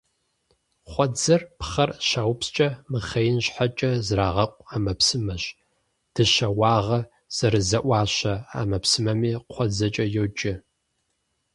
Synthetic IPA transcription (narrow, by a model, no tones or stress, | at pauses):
χʷɔd͡zɐrpχɐrʃaːwpst͡ʃʼɐmɨχɐjɪnɕħat͡ʃʼɐzraːʁɐqʷʼaːmɐpsɨmɐɕ | d̥ɨʃɐwɑːʁɐ | z̥ɐɾɨzɐʔʷɑːɕɐa̰ːmɐpsɨmɐmiːqʷʰɔd͡zɐt͡ʃʼɐjowd͡ʒʼɪ